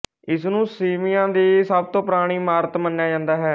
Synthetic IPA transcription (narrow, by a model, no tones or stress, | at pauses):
ɪsnũːsiːmɪjãːd̪iːsəb̚t̪õːpɾaːɽ̃iːmaːɾət̪mənːjaːd͡ʒãːnd̪aːɦɛː